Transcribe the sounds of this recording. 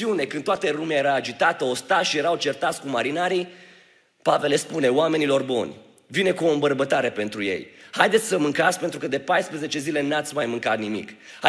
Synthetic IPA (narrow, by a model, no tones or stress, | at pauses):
iune̞kɨnd̪t̪oat̪əlumeaje̞ɾaːd͡ʒit̪at̪əo̞st̪aʃije̞ɾawt͡ʃe̞rt̪at̪sʲkumaɾinaɾi | pave̞lespune̞oame̞nilo̞rbo̰nʲ | vine̞kuo̞ɨmbərbət̪aɾe̞pe̞nt̪ɾuje̞̰jhajd̪et̪sʲsəmɨŋkat̪skpe̞nt̪ɾukəd̪e̞pajspɾeze̞t͡ʃe̞zile̞nat̪sʲmajmɨŋkat̪nimḭk | ha